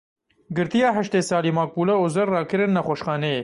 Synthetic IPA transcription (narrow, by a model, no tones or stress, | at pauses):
ɡɪɾt̪ijɑːɦɐʃt̪esɑːlimɑːk̚puːlɐozɐɾːɑːkɪɾɪnːɐxoʃxɑːneː